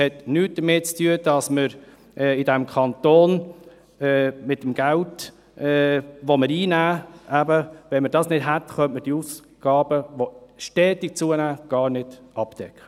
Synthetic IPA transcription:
hɛt̪nyːt̚d̥əmɪt̚t͡styəd̥ɑsməɾ | ʔɛidɛmkʰχɑntoːn | ɛːmɪt̚ːəmɡ̥ælt | ɛːʋoməɾiːnæːæbəʋɛnməɾdɑːsnɪd̥ɦætχœntməɾd̥iuːs | ɡ̥ɑːb̥əʋoʃtɛːtik̚t͡suənæːɡ̥ɑːɾrnɪd̥ʔɑptɛkχə

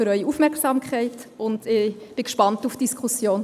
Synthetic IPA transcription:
ʏɾœʏiufmɛɾksamkʰχɛɪtʊndɪb̥ɪkʃpɑntufd̥iskχusjoːn

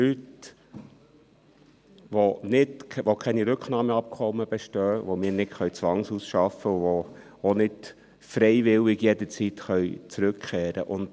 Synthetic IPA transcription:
lyt | ʋonɪtʋokʰɛniɾʉkχnɑːməɑp̚kʰɔmːəb̥ɛʃtœːʋomɪːnɪtχœɥt͡sʋɑŋsusʃɑfəʋo | onɪt | fɾɛɪʋɪlɪɡjɛd̪ət͡sitχœjt͡sɾʉkkɛːɾə̰ʔʊnd

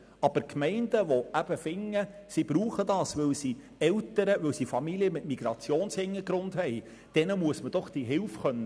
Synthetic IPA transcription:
ɑb̥əɾkmɛɪndəʋoæb̥əfɪŋːəsibɾuːχədɑːsʋɪlsi | ɛltəɾəʋɵwsifɑmiliəmɪtmiɡ̥ɾɑt͡sjoːnshɪŋəɡɾʊndhɛɪ | d̥ɛnəmuəsməd̥ɔχd̥iɦɪlfχœnːə

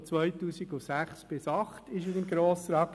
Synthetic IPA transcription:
t͡sʋœjt̪uːsiɡʊsæχsb̥ɪsɑχt̪ɪʃ̬əsɪmɡɾoːsəɾɑk

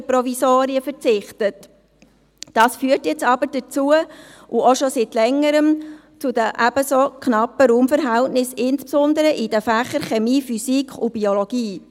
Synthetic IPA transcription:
əpɾɔvisoːɾiəfəɾt͡sɪχtət | d̥ɑːsfyːəɾtjɛt͡sɑbəɾd̥ət͡suəʔuʔoʃɔsitlɛŋːəɾəm | t͡sud̪əʔæb̥əsokχnɑpːəɾuːmfəɾɦæltnɪsɪnspsʊnd̪əɾəʔid̥əfæχəɾχɛmiːfysikʰχub̥iolɔɡ̥iː

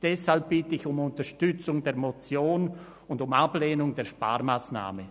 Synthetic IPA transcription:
d̥ɛshalp̚b̥ɪtəɪçʊmʊntəʃtʏt͡sʊŋdeːɐɾmot͡sjoːn | ʊndʊmapleːnʊŋdeːɐʃpa̰ːɾmaːsna̰ːmə

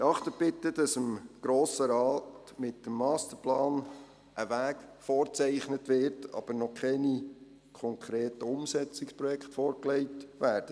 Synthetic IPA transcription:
ɑχt̪ətb̥ɪtːəd̥ɑsəmɡ̥ɾoːsəɾɑːtmɪtːəmːɑːst̪əplɑːn | ʔəʋæːkfɔːɾt͡sɛɪχnətʋɪrtɑ̰b̥ənɔkʰɛni | kʰɔŋkʰɾeːtəʊmsɛt͡sɪkspɾɔjɛktfɔːɾklɛɪtʋæːɾd̥ə

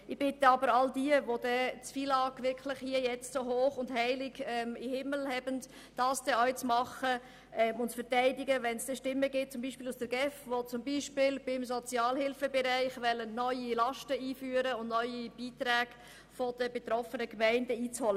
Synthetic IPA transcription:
ɪb̥ɪtəɑbəɾɑldiəʋod̥ɛt͡sfiːlɑːkʋɪɾkʰlɪχhiəjɛt͡stsoɦoːχʊndhæɪlɪɡɛmihɪməl̩hɛbənt | d̥ɑːsd̥ɛœʏt͡smɑχə | ʔɛmʊntfəɾtæɪdɪɡəʋɛnsd̥ɛʃtɪmːəɡɪt̚t͡sʊmbiːʃpɪːlusd̥əɾɡɛfʋot͡sʊmbiːʃpɪlbɪmsɔt͡sjɑːlɦɪlfəbɛɾæɪχʋɛlːənnœʏilɑʃtəiːfyːəɾəʊndnœʏib̥iːt̪ɾæːɡ̥ | fɔd̥əbetɾɔfənəkmæɪndəiːt͡shɔlə

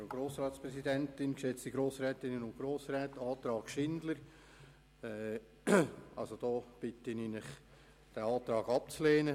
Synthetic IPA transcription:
oɡ̥ɾoːsɾɑːtspɾɛsidɛntɪnkʃɛt͡stiɡɾoːsɾɛːtɪnənʊntɡ̥ɾoːsɾɛːtɑːt̪ɾɑːɡ̥ʃɪndləɾ | ɛː | ʔɑ̰lsod̥ɔːb̥ɪtəninɪχ | d̥æɑːt̪ɾɑːɡɑpt͡slɛːnə

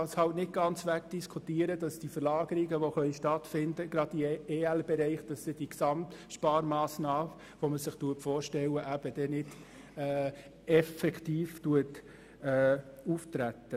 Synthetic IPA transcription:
ɑːshɑltnɪt̚ɡ̥ɑnt͡sʋækd̥iskʰutiːəɾəd̥ɑsd̥ifəɾlɑːɡəɾɪɡəʋoχœliʃtɑtfɪndəɡ̥ɾɑdieːælbɛɾɛɪχd̥ɑsːɪd̥iksɑmtʃpɑːɾmɑːsnɑː | ʋoməsɪχtuətfɔːɾʃtɛlːəʔæb̥əd̥ɛnɪdː | ɛfɛkχtiːftuət | ɛːuːft̪ɾætːə

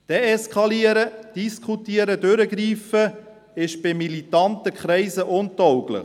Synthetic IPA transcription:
d̥eɛskʰɑliəɾəd̥iskχutiəɾədøɾəɡɾiːfə | ɪʃb̥ɪmilitɑntəkχɾɛɪsəʔʊntɔwɡlə̰

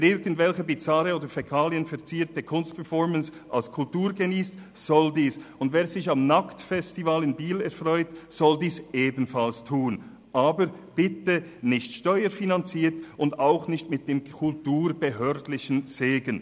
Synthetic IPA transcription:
ɪɡən̩tvɛlçəbit͡saʁəoːdəɾfɛkʰaːliənfɛʁt͡siːɾtəkʰʊnstpʰɛʁfɔɾməns | ʔalskʰʊltuːɾɡeniːst | z̥ɔldiːsʊndveːɾzɪçamnaktfɛstivalɪnbiːlɛʁɾfʁɔʏtsɔldiːsʔeːbn̩falstʰuːn | ʔaːbəɾ | b̥ɪtənɪçtʃtɔʏəɾfinant͡siːɾtʊndaʊxnɪçtmɪt̚d̥eːmkʰʊltuːɾb̥əɦœːɾdlɪçn̩z̥eːɡən

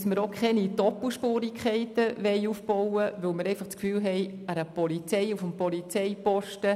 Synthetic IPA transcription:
sməɾokχɛnidɔpl̩ʃpoːɾikʰχɛɪtəʋɛɪufb̥ɔwəʋɵlməɾɛɪfɑχt͡skfyːlɦɛɪæɾəpɔlit͡sɛɪufəmpɔlit͡sɛɪpɔʃtə

